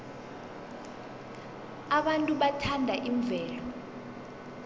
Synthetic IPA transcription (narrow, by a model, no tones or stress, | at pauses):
aɓantʼuɓatʰandʱaʔiɱb̪vʱɛːlɔ